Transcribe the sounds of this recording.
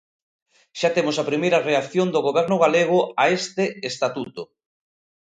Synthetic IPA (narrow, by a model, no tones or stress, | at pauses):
ʃat̪emʊsapɾimejɾɐreakθjond̪oɣoβɛɾnʊɣ̞aleɣ̞ʊaest̪eest̪at̪ut̪ʊ